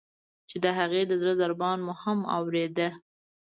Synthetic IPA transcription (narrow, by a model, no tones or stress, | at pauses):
t͡ʃed̪əɦaɣed̪əzɾəzaɾbɑnmuhama̰wɾed̪ə